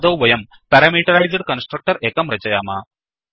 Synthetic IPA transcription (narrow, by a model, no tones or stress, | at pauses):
d̪ɐwʋɐjɐm | pɐɾɐmiːʈɐɾɐjzɖkɐnsʈɾɐk̚ʈɐɾeːkɐmɾɐt͡ʃɐjaːmaː